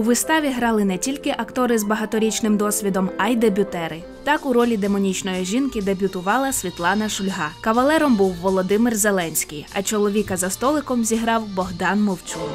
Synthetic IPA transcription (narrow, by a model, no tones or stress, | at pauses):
ʊʋɪst̪ɑʋʲiɦɾɑlˠɪnɛtʲilʲkɪʔɐkt̪ɔɾɪzbɐɦɐt̪ɔɾʲit͡ʃnɪmd̪ɔsʲʋʲid̪ɔmɐjd̪ebʲʊt̪ɛɾɪ | t̪ɑkʊɾɔlʲid̪emɔnʲit͡ʃnɔjiʒʲinkɪd̪ebʲʊt̪ʊʋɑlˠɐsʲʋʲit̪lˠɑnɐʃʊlʲɦɑkɐʋɐlˠɛɾɔmbuwːɔlˠɔd̪ɪmɪrzelˠɛnʲsʲkʲijɐ̰t͡ʃɔlˠɔʋʲikɐzɐst̪ɔlˠɪkɔmzʲiɦɾɑwbɔɦd̪ɑnmɔwt͡sʲu